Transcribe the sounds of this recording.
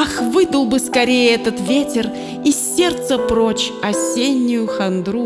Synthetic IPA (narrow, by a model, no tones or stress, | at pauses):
axvɨd̪əlˠbɨskɐɾʲejəɛt̪ət̪vʲetʲɪr | isʲːe̞rt̪səpɾo̞t͡ɕɐsʲenʲːʊjʊxɐnd̪ɾu